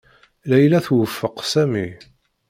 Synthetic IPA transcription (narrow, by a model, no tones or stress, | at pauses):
læjlæθwəfːəqsæmi